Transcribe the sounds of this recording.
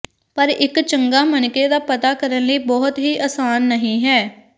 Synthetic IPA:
pəɾɪkt͡ʃəŋɡaːmənkeːd̪aːpət̪aːkəɾənləiːbɔːʊt̪ɦiːʔaːsaːnːəɦĩːɦɛː

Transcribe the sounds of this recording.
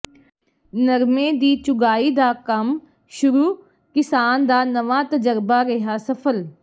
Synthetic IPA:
nəɾmẽːd̪iːt͡ʃʊɡaːiːd̪aːkɐm | ʃʊɾuː | kɪsaːnd̪aːnɐʋãːt̪əd͡ʒəɾbaːɾɛɦaːsɐfʰəl

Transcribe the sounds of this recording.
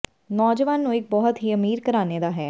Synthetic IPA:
nɔːd͡ʒəʋaːnːũɪk̚bɔɦʊt̪ɦiːəmiːɾkəɾaːneːd̪aːɦɛː

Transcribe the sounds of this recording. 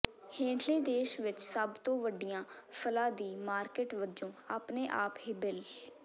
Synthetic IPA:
hẽːɳʈʰlẽːd̪eːʃʋɪt͡ʃsəbt̪õːʋəɖɪjãːpʰəlaːd̪iːmaːɾkəʈʋəd͡ʒõːaːpneːʔaːphɪbɪl

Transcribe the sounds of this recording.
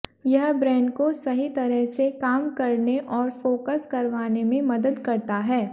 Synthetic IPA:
jɐɦbɾɛ̃ːɳɖkosɐɦit̪ɐɾəɦsekaːmkɐɾneʔɔːɾfoːkəskɐɾʋaːnemẽmɐd̪əd̪kɐɾt̪aɦɛː

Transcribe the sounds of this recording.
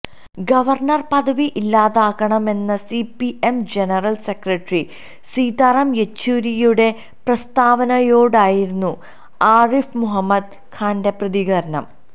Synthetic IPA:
ɡɐʋɐrɳɐrpɐðɐʋiʔilːaːðaːɣɐɳɐme̞nːɐsipiʔemd͡ʑenɐrɐlsekrɐʈri | siːd̪arɐmjet͡ɕːuːɾijuɽe̞ | prɐst̪aːʋɐnɐjo̞ːɽaːjiɾunːu | aːrifmuɦɐmːɐd̪̚ | kʰaːnde̞prɐðiɣɐɾɐɳɐ̰m

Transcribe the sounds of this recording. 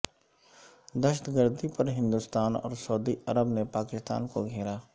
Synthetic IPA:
d̪əʃət̪ɡəɾd̪ipɐɾɦɪ̃nd̪ust̪aːnɔ̰ːɾsɔːd̪iʔɐɾəbnepaːkɪst̪a̰ːnkoɡʱeːɾaː

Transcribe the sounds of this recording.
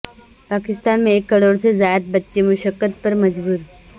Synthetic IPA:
paːkɪst̪aːnmẽeːkːɐɽoːɽsezaːjət̪̚bətːʃemʊʃəkːət̪̚pəɾmɐd͡ʒbuːɾ

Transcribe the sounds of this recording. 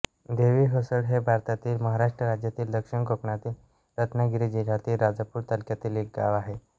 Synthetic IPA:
d̪eʋiːɦosəɽɦebʱaɾt̪at̪iːlməɦaɾaʂʈɾəɾad͡ʑjat̪iːld̪əkʂiɳkokɳat̪iːl | ɾət̪ʰnaɡiɾid͡ʑilat̪iːlɾad͡zəpuːɾt̪əlkjat̪iːlek̚ɡa̰ʋaɦe

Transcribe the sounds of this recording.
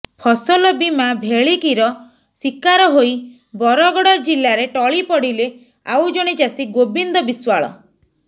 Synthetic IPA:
pʰɔsɔlɔbimabʱeɭikiɾɔ | sikaɾɔɦoj | bɔɾɔɡɔɽɔɾd͡ʒilːaɾeʈɔɭipɔɽile | a̰wd͡ʒoɽ̃id͡ʒasiɡobind̪ɔbiswaɭɔ̰

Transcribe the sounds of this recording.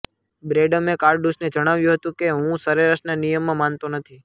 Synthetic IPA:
bɾeɖəmekaɾɖɖuʃned͡ʒəɽ̃aʋjũɦət̪ũkeɦũsəɾeɾaʃnanijəmːãmant̪onət̪ʰi

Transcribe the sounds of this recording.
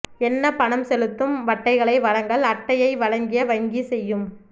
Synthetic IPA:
ɛnːɐpɐɳɐmsɛlɯt̪ːɯmʋɐʈːɐɪɣɐɭɐɪʋɐɻɐŋɡɐɭɐʈːɐjɐɪʋɐɭɐŋɡɪjɐʋɐŋɡisɛjːɯm

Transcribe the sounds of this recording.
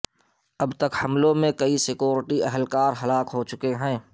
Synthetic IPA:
ɐbt̪əkhɐmlõmẽkɐisɪkjoːɾɪʈiɛɦəlkaːɾɦɐlaːkɦot͡ʃʊkeɦɛ̃ː

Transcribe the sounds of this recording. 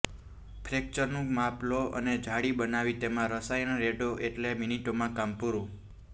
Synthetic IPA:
pʰɾek̚t͡ʃəɾnũmaploə̰ned͡ʒʱaɽibənaʋit̪emãɾəsajnɾeɖoʔeʈleminiʈomãkampuɾũ

